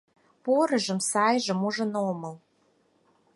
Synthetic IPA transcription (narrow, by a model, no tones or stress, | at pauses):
poɾə̆ʒə̆msɑjʒə̆muʒə̆nomə̆l